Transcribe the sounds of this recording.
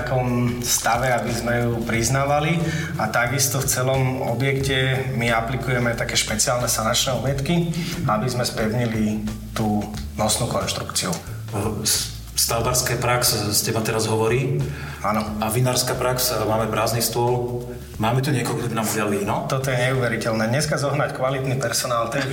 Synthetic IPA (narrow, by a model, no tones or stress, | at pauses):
akɔmst̪aʋɛabizmɛjupɾiznaːʋali | at̪aɡist̪ɔft͡sɛlɔm | ɔ̰bjɛkcɛmiaplikujɛmɛat̪akɛːʃpɛt͡siaːlnɛsanat͡ʃnɛɔbɪɛt̪kiabizmɛspɛʊɲili | t̪uː | nɔsnuːkɔnʃt̪ɾukt͡siu | st̪albaɾskaːpɾaksscɛbat̪ɛɾazɦɔʋɔɾiː | anɔaʋinaːɾskaːpɾaksmaːmɛpɾaːznist̪ʊɔl | maːmɛt̪uɲɪɛkɔlk̪ɔbinamɔdɪalinɔt̪ɔt̪ɔjɛɲɛuːʋɛɾicɛlnɛːdɲɛskazɔɦnackʋalit̪nipɛɾsɔnaːlt̪ɛ